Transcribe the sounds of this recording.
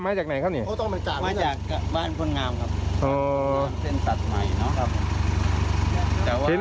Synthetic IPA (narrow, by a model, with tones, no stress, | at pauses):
maː˧˥˩t͡ɕaː˨k̚na˨˩jkʰa˥pniː˧˩ʔoː˧˥˩t̪ɔ˥˩ŋma˧t͡ɕaː˨˩ma˧˩t͡ɕaː˧˨˩k̚ːa˧baː˥˩npʰo˧˥˨nŋaː˧mkʰa˦˥˩p̚ʔoː˧˩a˧˥˩nse˧˥˩nsa˨˩t̪̚ma˨˩jnɔ˦˥kʰa˦˧pʰ | t̪ɛː˨˩wae˨˧˦